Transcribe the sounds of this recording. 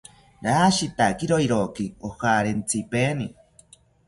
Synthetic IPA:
ɾaːʃit̪akiɾoiɾokiohaɾent͡sʰipeni

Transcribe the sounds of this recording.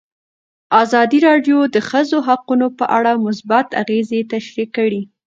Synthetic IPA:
azɑd̪iɾɑɖjod̪əxəzoɦaqunopəʔaɽamʊs̬bat̪a̰ɣezet̪aʃɾikəɽi

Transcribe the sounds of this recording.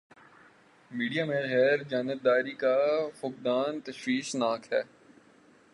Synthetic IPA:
miːɖijamẽɣɛːɾd͡ʒaːnɪb̚d̪aːɾikafʊk̚d̪aːnt̪ɐʃwiːʃnaːkɦɛː

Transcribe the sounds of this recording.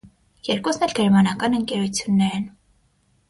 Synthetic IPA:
jɛɾkɔsnɛlɡɛɾmɑnɑkɑnəŋkɛɾut͡sʰjunːɛɾɛn

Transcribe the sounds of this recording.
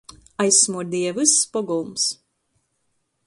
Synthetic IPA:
ajsːmuɾd̪iɛvɨspɔɡulˠms

